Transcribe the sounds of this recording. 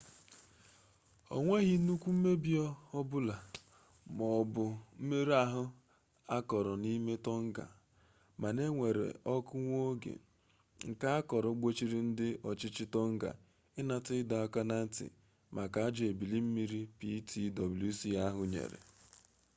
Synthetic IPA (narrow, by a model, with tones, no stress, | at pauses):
ɔ̰˨ŋʷe˦ɣi˨˦nu˦kʷu˦m̩˦me˦bi˦ɔ˦ɔ˦bʊ˦la˨ | mɔ˨bʊ˨m̩˦me˦ɾi˦a˦ɦʊ˦ | a˦kɔ˨ɾɔ˨ni˦me˦tɔ˦ŋ̩˦ɡa̰˨ | ma˨ne˦ŋʷe˨ɾḛ˨ʔɔ˦kʊ˦ŋʷo˦ɡḛ˨ | ŋ̩˨ka˦a˦kɔ˨ɾɔ˨˦ɡ͡bo˦t͡ʃi˦ɾi˦n̩˦dɪ˦ʔɔ˨t͡ʃɪ˦t͡ʃɪ˦tɔ˦ŋ̩˦ɡa̰˨ | ɪ˦na˨tɪ˦da˨a˦ka˦na˦n̩˦tɪ̰˨ | mʔa˨ka˨a˦d͡ʒɔ˨e˨bi˨li˦m̩˦mi˦ɾi˦pi˦tʰi˦dɔ˨bu˨lu˦si˦a˦ɦʊ˦ɲḛ˨ɾḛ˨